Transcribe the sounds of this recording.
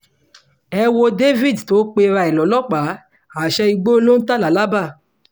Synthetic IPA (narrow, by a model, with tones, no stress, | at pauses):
ɛ˧wo˧de˦vi˦˨dto˨˦k͡pe˧ɾa˧ɛ˨lɔ˨˦lɔ˦k͡pa˨˦ | a˨ʃɛ˧i˧ɡ͡bo˦lo˦n̩˦ta˦˨la˨˦la˦ba˦˨